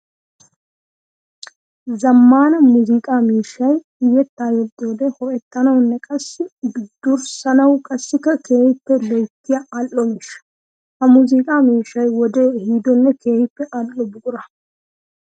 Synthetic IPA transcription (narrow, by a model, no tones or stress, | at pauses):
zɐmːaːnɐmuzɪkʼaːmiːʃːɐj | ɪjɛt̪ːaːjɛd̪ːoːd̪ɛhɔʔɛt̪ːɐnɐwnːɛkʼɐsːɪbɪd̪ːʊɾsɐnɐwkʼɐsːɪkːɐkʰe̞ːhɪpːɛlɛjt̪ːɪjɐɐlːɔmiːʃːɐ̥ | hɐmuzɪkʼaːmiːʃːɐjwɔd̪eːhiːd̪ɔnːɛkʰe̞ːhɪpːɛʔɐlːɔbʊkʼʊɾɐ